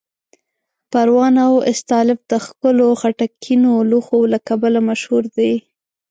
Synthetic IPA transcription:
paɾwɑnawɪst̪ɑlɪfd̪əxkʊloxaʈakʰinoluxolakabalamaʃhuɾd̪ej

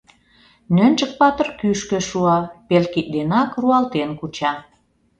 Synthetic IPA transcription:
nə̆nt͡ʃə̆k̚pɑt̪ərkyʃkø̆ʃuɑpelkit̚d̪enɑkruɑlt̪enkut͡ɕɑ

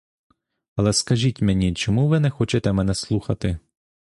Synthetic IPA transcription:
ɐlˠɛskɐʒʲitʲmenʲit͡ʃɔmuʋɪnɛxɔt͡ʃɛt̪ɛmɛnɛslˠuxɐt̪ɪ

